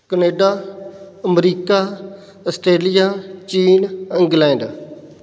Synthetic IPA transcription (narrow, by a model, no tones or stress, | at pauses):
kəneːɖaː | əmɾiːkaː | əsʈɾeːlijaːt͡ʃiːnɪ̃ŋɡlɛ̃ːɳɖ